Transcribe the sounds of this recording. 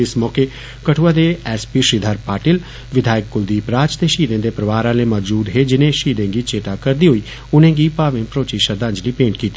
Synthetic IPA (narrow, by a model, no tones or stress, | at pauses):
ɪsmɔːkeː | kəʈʰuːaːd̪eːɛːspiːʃɾiːd̪ʱaɾpaːʈɪl | ʋɪd̪ʱaːɪkːʊld̪iːpɾaːt͡ʃt̪eːʃiːd̪ẽːd̪eːpɾəʋaːɾãːleːmɔd͡ʒd͡ʒuːd̪ɦeːd͡ʒɪnẽːʃiːd̪ẽːɡiːt͡ʃeːt̪aːkəɾd̪iːɦoiː | ʊnẽːɡiːpaːʋẽːpɾoːt͡ʃiːʃəɾd̪ə̃ɲd͡ʒliːpẽːɳʈ̚kiːt̪iː